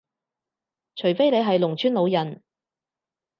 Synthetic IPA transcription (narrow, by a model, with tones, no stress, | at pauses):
t͡ʃʰɵ˨˩jfe˥jle˨˧jɦɐ˨jlʊ˨˩ŋt͡ʃʰyː˥nlo˨˧wjɐ˨˩n